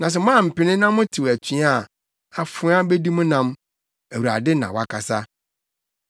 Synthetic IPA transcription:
nã˨s̬ɛ˨mãː˦˨m̩˨pɪ˨nɪ̃˦nã˦mʊ̃˦tʰi˨wæ˨t͡ɕʰi˨˦a˦˨ | a˨fʊ̃˨˦a˦be˦di˦mʊ̃˦nã˨m | æ˨wu˨ɾa̰˨dɪ˦nã̰˨wa˦kʰa˨sa˦

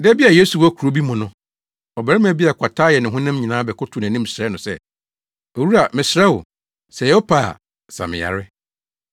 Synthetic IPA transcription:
dɛ˦bi˦a˨je˦su˨wɔ˦kʰu˨ɾo˦bi˦mʊ̃˨nʊ̃˦ | ɔ˨bɛ˨ɾɪ˦m̃˦˨˦bi˦a˨kʷʰa˨tʰaː˦jɛ˨nɪ̃˨ɦʊ̃˦nã˦mɲĩ˨nãː˦bɛ˨kʰʊ˦tʰʊ˨n˨æ̃˨nĩ˦m̩˨sɾɛ˦nʊ̃˨sɛ̰˦ | o˨wu˦ɾa˨mɪ̃˨sɪ˨ɾɛ˦wʊ̰˨ | sɛ˨jɛ˨wɔ˦pʰaː˦˨ | sa̰˨mɪ̰̃˨ja̰˨ɾɪ˦

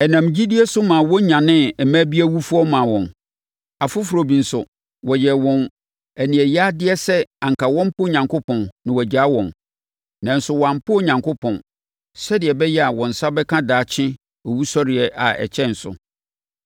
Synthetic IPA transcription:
ɛ˨nã˨md͡ʑi˦di˦ɛ˦sʊ˦mã˨wɔ˦ɲã˨nɪ̃˦ɛ˨mæ̃ː˦bi˦æ˦wu˦fʊ˦ɔ˦mã˨wɔ̃˨n | a˨fʊ˦fu˨ɾo˨bĩ˨n̩˨sʊ˨ | wɔ˨jɛ˨wɔ̃˨n | æ˨nĩ˨ɛ˨ja˦dɪ˦ɛ˦sɛ˦ã˨ŋ˨kʰa˨wɔ̃˦m˦pʰʊ˦ɲã˨ŋkʰʊ˦pʰɔ̃˨nnɪ̃˨wɔ˨d͡ʑa˨˦wɔ̰̃˨n | nã˨n̩˦sʊ˨wã˨m˨pʰʊ˦˨ɲã˨ŋkʊ˦pʰɔ̃˨n | sɛ˦dɪ˨ɛ˨bɛ˦jɛ˦a˨wɔ̃˨n̩˨sa˦bɛ˦kʰã˦daː˨˦t͡ɕʰɪ̃˦ | ɔ˨wu˦sɔ˦ɾɪ˨ɛ˨ʔa̰˨ɛ̰˨t͡ɕʰɛ̃˦n̩˨sʊ̰˨

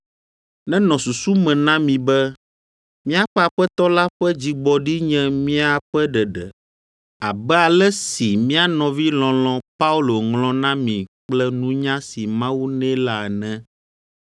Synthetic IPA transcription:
nɛ̃˦nɔ̃˨su˨su˦mɛ̃˨nã˦mĩ˨bɛ˦ | mĩ˦a˦ɸɛ˦a˨ɸɛ˦t̪ɔ˦la˦ɸɛ˦d͡ʑi˨ɡ͡bɔ˨ɖi˦ɲɛ̃˦mĩ˦a˨ɸɛ˦ɖɛ˨ɖɛ̰˨ | a˨bɛ˦a˨lɛ˦si˨mĩ˦a˨nɔ̃˨vi˦lɔ̃˨lɔ̃˨pa˦u˦lo˨ŋlɔ̃˦nã˦mĩ˨k͡plɛ˦nũ˦ɲã˦si˨mã˦wu˦nɛ̃˦la˨ɛ˨nɛ̃˦

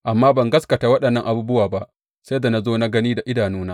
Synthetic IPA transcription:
ʔa˨mːaː˦bɐ˨ŋɡɐ˦skɐ˨taː˨wɐ˦ɗɐ˨nːɐ˦ŋʔa˨buː˦bʊ˦waː˨ba˦ʔ | sa˦da˨na˦zoː˦na˦ɡɐ˦niː˦da˨ʔɪ˦daː˨nuː˦naː˦

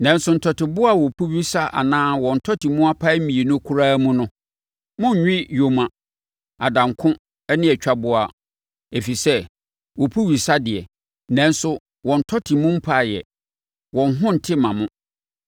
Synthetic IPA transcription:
nã˨n˦sʊ˨n̩˨tʰɔ˨tɪ˨bʊ˦a˨wɔ˨pʰu˦ɥi˦sa˦ʔa̰˨nãː˦wɔ̃˨n̩˨tʰɔ˦tʰi˨mʊ̃˦a˦pʰa˦i˦mĩ˨e˨nʊ̃˦kʰu˦ɾaː˦mʊ̃˦nʊ̃˦ | mʊ̃˦ɲ˨ɲᶣɪ̃˦jo˨mã˨ | a˨dã˨ŋkʰʊ̃˦ | ɛ˦nɪ̃˦ɛ˨t͡ɕᶣa˦bʊ˨a˨ | e˨fi˨sɛ˦ | wɔ˨pʰu˦ɥi˨sa˦dɪ˨ɛ˨ | nã˨˦n̩˦sʊ˦ | wɔ̃˨n̩˨tʰɔ˦tʰi˨mʊ̃˦m̩˦pʰa˦˨jɛ̰˨ | wɔ̃˨n˦ɦʊ̃˦n̩˨tʰɪ˦mã˨mʊ̃˦

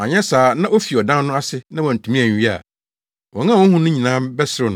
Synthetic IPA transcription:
a̰˨ɲɛ̃˦saː˨˦nã˦ʔo˦fi˨ɔ˨dã˦nː˦ʊ̃˦a˦sɪ˦nã˦wɔ̃˨n̩˨tʰũ˨mĩ˦æ˨ɲ˨i˦a̰˨ | wɔ̃˨ŋã˦˨wɔ̃˦hũ˦nʊ̃˦ɲĩ˨nã˦mbɛ˦sɪ˦ɾʊ˦ñ˦

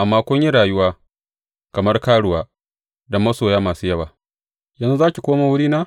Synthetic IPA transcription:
ʔa˨mːaː˦kʷʊ˦ɲji˦ɽaː˨jʊ˦waː˦ | kɐ˨mɐ˦rkaː˦ɽʊ˨waː˦ | dɐ˨mːɐ˦soː˨jaː˦maː˨suː˦jɐ˦baː˨ | jɐ˨nzu˦zaː˦kʲi˨kʷoː˦maː˨wʊ˦ɽiː˦naː˦

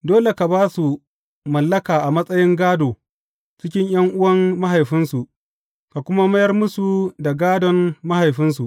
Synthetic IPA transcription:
doː˦le˨ka˨baː˦su˨ | mɐ˨lːɐ˦kaː˨ʔa˨mɐ˦sʼɐ˦jɪ˦ŋɡaː˦doː˨ | t͡ʃɪ˦kʲɪ˦ɲj̰ɐ˦ŋʔʊ˦wɐ˦mːa˦ɦa˨jɸɪ˦nsu˨ʔ | ka˨kʷʊ˦ma˦mɐ˦jɐ˦rmʊ˦su˨da˨ɡaː˦dɔ˦nːa˦ha˨jɸɪ˦nsu˨ʔ

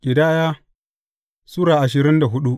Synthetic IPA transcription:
kʲʼɪ˨daː˦jaː˦ | suː˦ɽaː˨ʔa˨ʃɪ˨ɾɪ˦nda˨ɦʊ˦ɗu˦ʔ

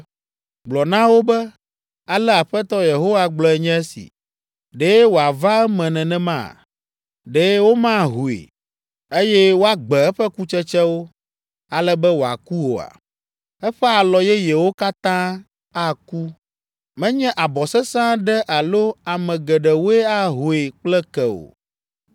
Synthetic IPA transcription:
ɡ͡blɔ˨nã˦wo˦bɛ˦ | a˨lɛ˦a˨ɸɛ˦t̪ɔ˦je˨ɦo˦wa˦ɡ͡blɔ˨ɛ˨ɲɛ̃˦ɛ˦sḭ˨ | ɖe˦wo˨a˨va˦ɛ˦mɛ̃˨nɛ̃˨nɛ̃˦mã̰˦˨ | ɖe˦wo˦mã˦ɦu˨ḛ˨ | e˦jɛ˦wo˦a˦ɡ͡bɛ˨ɛ˦ɸɛ˦ku˦t͡ʃɛ˦t͡ʃɛ˦wo˦ | a˨lɛ˦bɛ˦wo˨a̰˨ku˦wo˨a̰˨ | ɛ˦ɸɛ˦a˨lɔ˨jɛ˦je˨wo˦ka˦t̪ã˦ | a˦ku˦ | mɛ̃˦ɲɛ̃˦ʔa˨bɔ˨sɛ˦sã˦ɖɛ˦ʔa˨lo˦a˨mɛ̃˨ɡɛ˨ɖɛ˨wo˦e˦a˦ɦo˨e˨k͡plɛ˦kɛ˨o̰˨

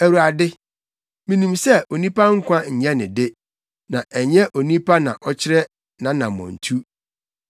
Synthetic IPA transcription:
æ˨wu˨a˨dɪ˦ | mĩ˨nĩ˨msɛ˦o˨nĩ˦pʰa˦ŋ̩˦kʷã˦ɲ̩˨ɲɛ̃˦nɪ̃˨dɪ˦ | nã˨ʔɛ˨ɲɛ̃˦ʔo˨nĩ˦pʰa˦nã˨ʔɔ˦t͡ɕʰɪ˦ɾɛ˦ | nã˨nã˨mɔ̰̃˨n̩˨tʰu˦

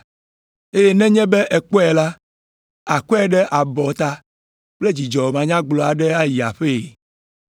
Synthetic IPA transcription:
e˦je˦nɛ̃˦ɲɛ̃˦be˦ʔɛ˨k͡pɔ˦ɛ˨la˦ | a˨kɔ˦ɛ˦ɖɛ˦ʔa˨bɔ˨t̪a˦ | k͡ple˦d͡ʑi˨d͡ʒɔ˨m˨ã˨ɲã˦ɡ͡blɔ˨a˨ɖɛ˦a˦ji˨a̰˨ɸe˦˨

